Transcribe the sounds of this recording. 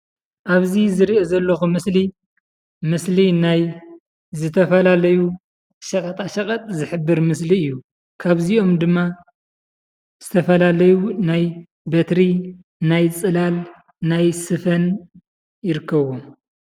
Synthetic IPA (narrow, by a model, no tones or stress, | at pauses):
ʔaβzizɨɾiozɐlːɐxumɨsli | mɨslinaj | zɨt̪ʰɐfɐlalɐju | ʃɐkʼɐt̪ʼaʃɐkʼɐt̪ʼzɨħɨbːɨɾmɨsliɨjːu | kʰaβzio̞md̪ɨmːa | z̥ɨt̪ʰɐfɐlalɐjunaj | bɐt̪ɾi | najt͡sʼɨlal | najsɨfɐn | jɪɾɨkʰːɐβom